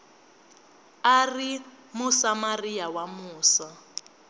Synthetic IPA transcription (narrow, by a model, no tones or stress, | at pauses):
ari | musamarijawamuːsa